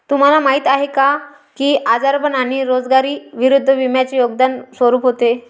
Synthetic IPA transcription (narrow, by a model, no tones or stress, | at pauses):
t̪um̤alamaɦiːt̪aɦeka | kiːʔad͡zaɾbənaɽ̃iɾod͡zɡaɾiːʋiɾud̪ʱːəʋimjat͡ɕejoɡ̚d̪ansʋəɾuːpɦot̪e